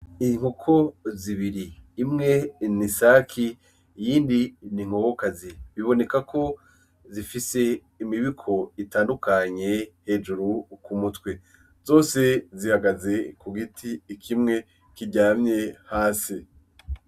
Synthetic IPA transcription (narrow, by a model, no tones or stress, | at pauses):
iŋ̥hukʰoziβiɾiːmŋe̞nisaːkʰi | jiːndiniŋ̥o̞kokaziβiβo̞ne̞kakʰo̞ | zifise̞ | imiβikʰo̞itaːndukaɲe̞he̞ːʒuɾukumutwe | z̥o̞ːse̞zihaɡaze̞kuɡitʰiːkʰimŋe̞ | kiɟaːmɲe̞haːsi